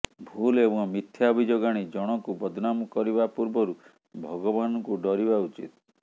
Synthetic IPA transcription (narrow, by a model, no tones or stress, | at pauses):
bʱulebɔ̃ŋmit̪ʰjaɔbʱid͡ʒoɡaɽ̃id͡ʒɔɽ̃ɔkubɔd̪ʱɔnamɔkɔɾibapuɾbɔɾu | bʱɔɡɔbanɔŋkuɖɔɾibaut͡ʃḭt̪